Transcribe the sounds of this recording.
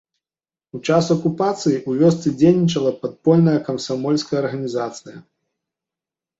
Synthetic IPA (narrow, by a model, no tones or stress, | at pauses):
ut͡ʂasɐkupat̪sɨjiʔuvʲɔst̪sɨd͡zʲejnʲit͡ʂɐlˠɐpat̪̚pɔlʲnɐjɐkɐmsamɔlʲskɐjɐɐrɣɐnʲizat̪sɨjɐ